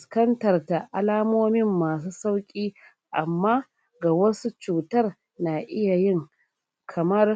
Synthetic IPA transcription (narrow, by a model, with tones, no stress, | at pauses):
ɪ˨skɐ˦ntɐ˨rta˨ʔa˨laː˦moː˦mɪ˦mːaː˨s̬uː˦sa˦wkʲʼiː˦ | ʔa̰˨mːaː˦ | ɡa˨wɐ˦su˦t͡ʃuː˨tɐ˦r | naː˨ʔɪ˦ja˨jɪ˦ŋ | kʰɐ˨mɐ˦r